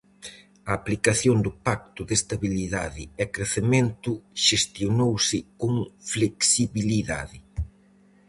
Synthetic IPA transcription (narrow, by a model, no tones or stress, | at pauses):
ɐːplikaθjond̪ʊpak̚t̪ʊðest̪aβiliða̰ðɪɛkɾeθemẽnt̪ʊʃest̪jonowsɪkoŋfleksiβiliða̰ðɪ